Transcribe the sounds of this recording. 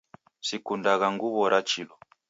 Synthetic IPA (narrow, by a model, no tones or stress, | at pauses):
sikundaɣaŋɡuβɔɾʔat͡ʃilɔ